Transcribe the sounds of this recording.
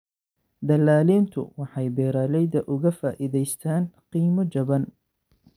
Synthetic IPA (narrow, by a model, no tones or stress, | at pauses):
d̪ɐlːaːliːnt̪ʰʊ̰wɑħɑjbɛːɾaːlɛjðɐʔʊɣɐfaːʔiðɛjst̪ʰaːnqiːmɔd͡ʒɐβɐn